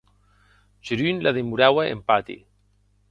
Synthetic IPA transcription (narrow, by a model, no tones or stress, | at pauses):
ʒeɾynlaðemuɾawaḛmpat̪ḭ